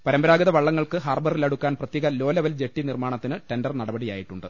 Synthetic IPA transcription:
pɐɾɐmbɐɾaːɡɐðɐʋɐɭːɐŋːɐɭkɨɦaːrbɐrilɐɽukːaːnprɐt̪jeːɣɐlo̞ːlɐʋɐld͡ʑeʈːinirmaːɳɐt̪ːinɨʈe̞ndɐrnɐɽɐbɐɽija̰ːjiʈːuɳɖɨ

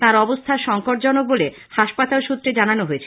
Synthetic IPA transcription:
t̪ãɾɔbost̪ʰaɾʃɔŋkoɾʈ̚d͡ʑɔnok̚bole | haʃpat̪alʃut̪ːɾed͡ʑananoɦoet͡ɕʰ

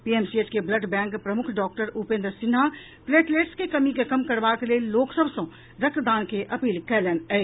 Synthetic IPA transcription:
piːeːmsiet͡ʃkeblɐɖbɛ̃ːŋkpɾɐmʊkʰɖɔːk̚ʈəɾupẽːnd̪ɾsɪnɦa | fleːʈleːʈskekɐmikekɐmkɐɾʋaːt̪leloːksəbsõ | ɾɐk̪̚d̪aːnkeʔɐpiːlkɛːlɛːnɛ

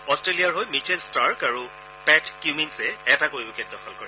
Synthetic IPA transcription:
ɔstɹelijaɹɦojmit͡ʃʰɛlstaɹkaɹu | pɛtkjuminsɛɛtakojʊkɛt̚dɔxʰɔlkɔɹɛ

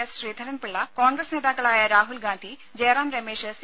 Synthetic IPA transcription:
ɐsɕriːd̪ʱɐnɐnpiɭːɐkoːɳɡrɐsne̞ːðaːkːɐɭaːjɐɾaːɦulɡaːnd̪ʱi | d͡ʑeːraːmɾɐmeːʂs

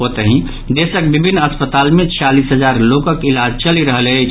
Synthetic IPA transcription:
ɦot̪əɦĩ | d̪esək̚bibʱinːəspət̪almẽt͡ʃʰijalisɦəd͡ʒaɾlokəkilad͡ʒt͡ʃəliɾəɦələt͡ʃʰ

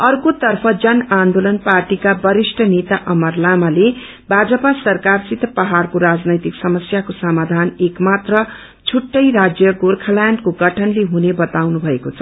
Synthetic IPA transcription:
ʌrkot̪ʌrpʰʌd͡zʌnand̪olʌnparʈikabʌɾisʈʰʌnet̪aʔʌmʌrlamale | bʱad͡zʌpasʌrkarsit̪pʌɦarkoɾad͡znʌjt̪iksʌmʌsjakosamad̪ʱanekmat̪rʌ | t͡sʰuʈːʌjɾad͡zjʌɡorkʰalaɳɖkoɡʌʈʰʌnleɦunebʌt̪awnubʱʌekot͡sʰʌ

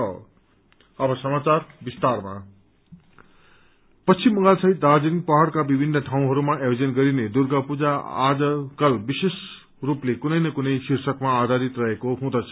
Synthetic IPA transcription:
ʌ | ʌbʌsʌmat͡sarbist̪arma̰ | pʌt͡sʰimːʌŋɡalsʌɦit̪̚dad͡zinpʌɦaɽkabibʱinːʌʈʰaw̃ɦʌɾumaʔʌjod͡zʌnɡʌɾined̪urɡʌpud͡zaa̰d͡zʌkʌlbises | ruplekunʌjnʌkunʌjsirsʌkmaːd̪ʱaɾit̪rʌɦekoɦũd̪ʌt͡sʰʌ

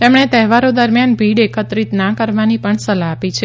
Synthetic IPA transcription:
t̪emɳet̪ɛɦʋaɾod̪əɾmjanbʱiɽekət̪ɾit̪nakəɾʋanipəɳsəlaːpit͡ʃʰe

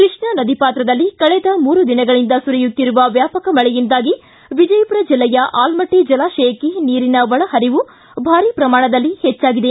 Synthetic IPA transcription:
kɾɨʂɳɐnɐd̪ipaːt̪ɾɐd̪ɐlːikɐɭɛd̪ɐmuːɾud̪inɐɡɐɭind̪ɐsuɾijut̪ːiɾuʋɐʋjaːpɐkɐmɐɭɛjind̪aːɡi | ʋid͡ʒɐjɐpuɾɐd͡ʒilːɛjɐʔaːlmɐʈːid͡ʒɐlaːʃejɐkeniːɾinɐʋɐɭɐhɐɾiʋu | bʱaːɾiːpɾɐmaːɳɐd̪ɐlːihɛt͡ʃːaːɡid̪e

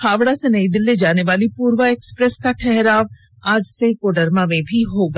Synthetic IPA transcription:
xʰaːʋɽasenəĩd̪ɪlːed͡ʒaːneʋaːlipuːɾʋəeːkspɾɛskaʈʰɛɦɾaːʋ | ad͡ʒsekoɖəɾmãːʋẽbʱiɦoːɡaː

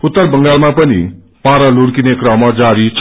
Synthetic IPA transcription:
ʊt̪ːəɾbəŋɡaːɭmãpənḭ | paːɾaluɽkinekɾamãd͡ʒaːɾit͡ʃ

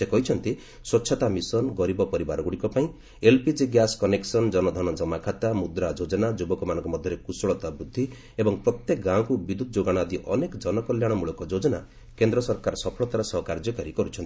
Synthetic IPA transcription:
sekɔɦit͡ʃʰɔnt̪i | swɔt͡ʃʰɔt̪amisɔnɡɔɾibɔpɔɾibaɾɔɡuɽikɔpaĩ | elpid͡ʒiɡjaskɔneksɔnd͡ʒɔnɔd̪ʱɔnɔd͡ʒɔmakʰat̪amud̪ɾad͡ʒod͡ʒɔnad͡ʒubɔkɔmanɔ̃ŋkɔmɔd̪ʱjɔɾekusɔɭɔt̪abɾud̪ʱːi | ebɔŋpɾɔt̪jekɡãw̃kubid̪ʱud̪ɔd͡ʒoɡaɽ̃d̪iʔɔ̰nekɔd͡ʒɔnɔkɔljaɽ̃ɔmuɭɔkɔd͡ʒod͡ʒɔna̰ | kend̪ɾɔsɔɾkaɾɔsɔpʰɔɭɔt̪aɾɔsɔɦɔkaɾd͡ʒɔkaɾikɔɾut͡ʃʰɔnt̪i

